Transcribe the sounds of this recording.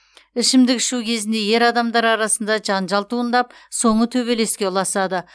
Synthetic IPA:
ɪʃɪmd̪ɪkʲɪ̥ʃukʲʰe̞zɪnd̪e̞je̞ɾɑd̪ɑmd̪ɑɾɑɾɑsənd̪ɑʒɑnʒɑlˠt̪uənd̪ɑpso̞ɴət̪ʰɵβe̞le̞skʲe̞ʊlˠɑsɑd̪ə

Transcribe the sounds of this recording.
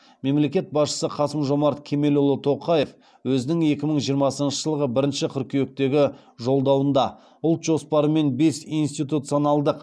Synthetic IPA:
me̞mle̞kʲe̞t̪̚bɑsʃə̥səqʰɑsəmʒo̞mɑɾt̪kʲʰe̞me̞lʊlˠət̪ʰo̞qɑje̞f | wɵzɪnɪŋe̞kʲɪməɴʒijəɾmɑsənənʃəʒəlˠəʁəbɪɾɪnʃɪqʲʰʏɾkʲʰejek̚t̪e̞ɡʲɪ | ʒo̞lˠd̪ɑwənd̪ɑ | ʊlˠt̪ʒ̥o̞spɑɾəme̞nbe̞sinst̪ijt̪ut̪sijo̞nɑlˠd̪əq

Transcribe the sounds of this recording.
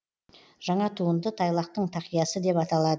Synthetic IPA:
ʒ̥ɑɴɑt̪ʰuənd̪ət̪ʰɑjlˠɑq̚t̪əɴt̪ʰɑqijɑsəd̪e̞pɑt̪ɑlˠɑd̪ə

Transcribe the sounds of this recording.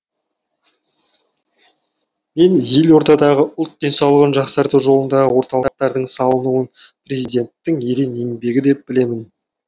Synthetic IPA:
me̞nje̞lwo̞ɾt̪ɑd̪ɑʁəʔʊlˠt̪̚d̪e̞nsɑwlˠəʁənʒɑqsɑɾt̪uwʒo̞lˠənd̪ɑʁəwo̞ɾt̪ɑlˠqt̪ːɑɾd̪əɴsɑlˠənuən | prʲe̞zid̪ʲe̞nt̪ːɪŋeɾeneŋbe̞ɡʲɪd̪e̞p̚b̥ɪle̞mɪn

